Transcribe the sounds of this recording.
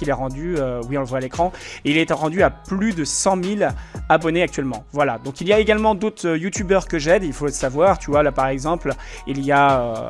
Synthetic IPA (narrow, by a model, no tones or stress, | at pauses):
ilɛʁɑ̃d̪yøwiɔ̃ləvwalekχɑ̃eilɛt̪ʁɑ̃d̪yaplyd̪əsɑ̃milabɔneak̚t̪ɥɛlmɑ̃vwalad̪ɔ̃kiljaeɡalmɑ̃d̪ot̪χøjut̪ybœʁkəʒɛd̪ilfoləsavwaʁt̪yvwalapaʁɛɡzɑ̃plilijaø